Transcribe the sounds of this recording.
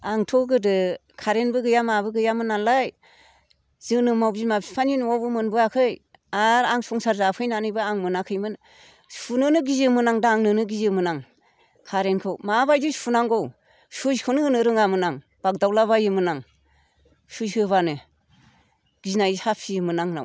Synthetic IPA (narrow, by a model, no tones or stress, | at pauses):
aŋtʰɔɡɯdɯkʰaɾenbɯɡɯjamabɯɡɯjamɯnːanlaj | zɯnɯmawzimapsi̥pʰaninɔwbɯmɯnbɯakʰɯj | aɾaŋsɔŋsaɾzapʰɯjnanɯjbɯaŋmɯnakʰɯjmɯn | sunɯnɯɡizɯmɯnaŋdaŋnɯnɯɡizɯmɯnaŋ | kʰaɾenkʰɯwmabajdɯsunaŋɡow | suzkʰɯnɯnɯɾɯŋamɯnaŋ | b̥ak̚dawlaβajɯmɯnaŋ | sujhɯβanɯ | ɡ̥iznajhapʰiɯmɯnaŋna̰w